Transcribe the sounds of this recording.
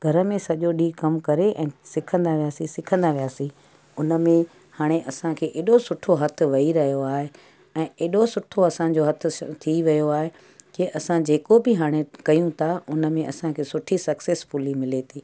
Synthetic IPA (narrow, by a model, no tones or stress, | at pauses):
ɡʱɐɾəmẽsɐʄoɗiːkɐmkɐɾeʔɛ̃ːsɪkʰə̃nd̪aʋijaːsĩsɪkʰə̃nd̪aʋijaːsĩ | ʊnə̆mẽ | haːɽ̃eʔɐsãkʰeːʔeːɗosʊʈʰoɦɐt̪ʰʊ̆ʋɐɦiɾɐɦijoaːɦe | ɛ̃ːeːɗosʊʈʰoɐsã̆d͡ʑoɦɐt̪ʰʊ̆t̪ʰiʋɐjoaːɦe | keʔɐsãd͡ʑeːkobɪɦaːɽ̃ekɐjũt̪ʰaʊnə̆mẽʔɐsãkʰeːsʊʈʰisɐkseːsfʊlimɪlet̪ʰiː